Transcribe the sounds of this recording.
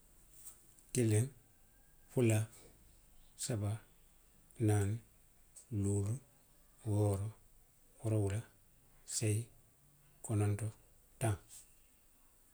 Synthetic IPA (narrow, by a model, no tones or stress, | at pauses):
tilen | fula | saba | nan | luːlu | woɾo | wuɾowula | sei | kononto | taŋ